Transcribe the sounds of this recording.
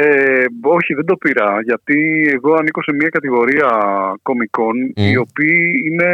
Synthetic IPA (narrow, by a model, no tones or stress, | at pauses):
eo̞çiðend̪o̞piɾɐʝɐt̪ieɣo̞ɐniko̞se̞miɐkɐt̪iɣo̞ɾiɐko̞miko̞nio̞piːine̞